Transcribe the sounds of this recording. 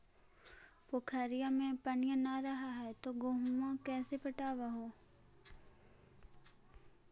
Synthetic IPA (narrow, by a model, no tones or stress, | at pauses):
pokʰaːɾijamẽpənɪjanaɾɐɦaɦɛt̪oɡõɦmãkɛːsepɐʈaːʋaɦoː